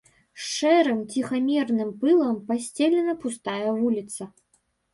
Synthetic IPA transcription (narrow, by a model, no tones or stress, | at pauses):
ʂɛɾɨmt͡sʲixamʲɛrnɨmpɨlˠɐmpasʲt͡sʲɛlʲɛnɐpust̪ajɐvulʲit̪sɐ